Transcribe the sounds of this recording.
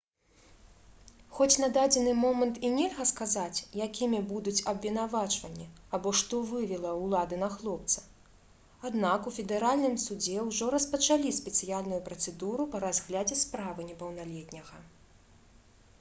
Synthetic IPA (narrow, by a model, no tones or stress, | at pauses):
xɔt͡sʲnɐd̪ad͡zʲɛnɨmɔmɐnt̪inʲɛlʲɣɐskazat͡sʲjakʲʰimʲibud̪ut͡sʲɐbvʲɛnavat͡ʂvɐnʲːi | abɔʂt̪ɔvɨvʲɛlˠɐwlˠad̪ɨnɐxlˠɔp̚t̪sɐ̥ | ad̪nakufʲɛd̪ɛɾalʲnɨmsud͡zʲɛwʐɔɾɐspɐt͡ʂalʲisʲpʲɛt̪sɨjalʲnujupɾɐt̪sɛd̪uɾupɐɾazɣlʲad͡zʲɛspɾavɨnʲɛpɐwnalʲɛt̪ʲnʲɐɣɐ